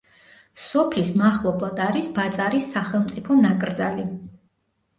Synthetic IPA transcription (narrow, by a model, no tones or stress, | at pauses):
sɔpʰlismaχlˠɔblˠad̪aɾisbat̪sʼaɾisːaχɛlˠmt̪sʼipʰɔnakʼɾd̪za̰li